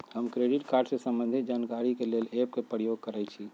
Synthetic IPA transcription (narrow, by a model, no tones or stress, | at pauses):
həmkɾeɖiʈkaɾɖsesəmbənd̪ʱit̪̚d͡ʒankaɾikelelep̚kepɾəjoɡ̚kəɾɛt͡ʃʰi